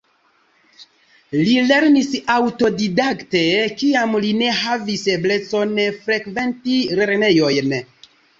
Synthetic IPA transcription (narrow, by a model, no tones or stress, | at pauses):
lile̞ɾnisawto̞didakte̞kiamline̞ɦaviseble̞t͡so̞nfɾe̞kve̞ntiɾe̞ɾne̞jo̞jn